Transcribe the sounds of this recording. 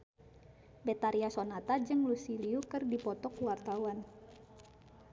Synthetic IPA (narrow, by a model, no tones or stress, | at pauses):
bɛt̪aɾiasonat̪ad͡ʒɨŋlusiliukɨrdipɔt̪ɔkuwart̪awan